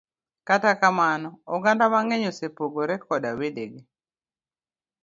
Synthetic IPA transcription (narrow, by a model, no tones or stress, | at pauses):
katakamanɔɔɡandamaŋeɲosepoɡoɾɛkɔdawedeɡe